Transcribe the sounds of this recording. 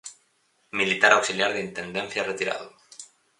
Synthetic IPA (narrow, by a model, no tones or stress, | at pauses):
milit̪aɾawksiljaɾðint̪end̪ɛ̃n̟θjaret̪iɾa̰ðu